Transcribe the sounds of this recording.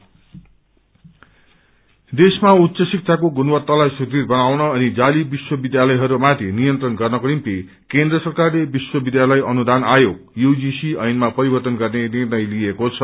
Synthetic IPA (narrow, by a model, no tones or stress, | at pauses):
d̪esmaut̪ːsʌsik̚tʰakoɡunwʌt̪ːalajsudirbʌnawnʌʌnid͡zalibiswʌbid̪jalʌjɦʌɾumat̪ʰinijʌnt̪rʌnɡʌrnʌkuɾimpi | kend̪rʌsʌrkarlebiswʌbid̪jalʌjʔʌnud̪anajok | juwd͡zisiʌjnmapʌɾibʌrt̪ʌnɡʌrnenirnʌjliekot͡sʰʌ